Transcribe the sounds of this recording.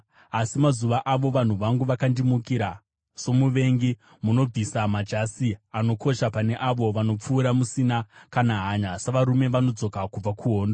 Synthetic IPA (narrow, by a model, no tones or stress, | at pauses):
asimazuʋaʔaʋo̞ʋan̤uʋaŋɡuʋakandimukiɾa | so̞muʋe̞ŋɡi | muno̞b͡visamad͡ʒasiano̞kʰo̞ʃapane̞ʔaʋo̞ʋano̞p͡fuːɾamusinakanaɦaːɲasaʋaɾume̞ʋano̞d͡zo̞kakub͡vakʰuɦo̞ːndo